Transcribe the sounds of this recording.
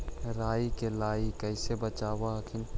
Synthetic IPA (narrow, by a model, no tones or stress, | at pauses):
ɾaːikelaːikɛɪsebɐt͡ʃaːwakʰɪn